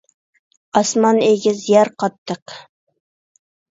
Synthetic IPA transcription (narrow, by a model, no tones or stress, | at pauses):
ɑsmɑneɡʲɪzjæɾqʰɒt̪ːəq